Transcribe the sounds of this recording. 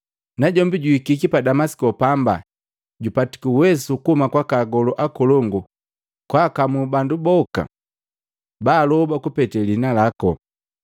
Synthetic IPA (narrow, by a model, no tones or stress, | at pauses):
naɟɔmbiɟuikikipadamasi̥kɔpamba̰ | ɟupati̥kiwɛsukuhumakwakaɡɔlɔʔakɔlɔŋɡu | kwakamubandubɔka̰ | baːlɔbakupɛtɛlinalakɔ